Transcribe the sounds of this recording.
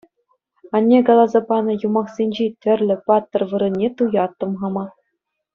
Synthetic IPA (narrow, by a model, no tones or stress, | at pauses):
ɑnʲːeɡɑlˠɑzɑpɑnɤ̆jumɑχsʲenʲd͡ʑetʲɘ̆rʲlʲɘ̆pɑt̪ːɤ̆rʋɯɾɤ̆nʲːet̪ujɑt̪ːɤ̆mʁɑmɑ